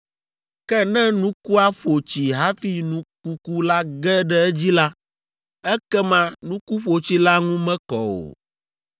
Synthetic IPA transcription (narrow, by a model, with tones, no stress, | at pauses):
kɛ˦nɛ̃˦nũ˦ku˦a˦ɸo˨t͡ɕi˨ɦa˦fi˦nũ˦ku˦ku˦la˦ɡɛ˦ɖɛ˦ɛ˦d͡ʑi˦la˦ | ɛ˦kɛ˦mã˦nũ˦ku˦ɸo˨t͡ɕi˦la˦ŋũ˦mɛ̃˦kɔ̰˨o̰˨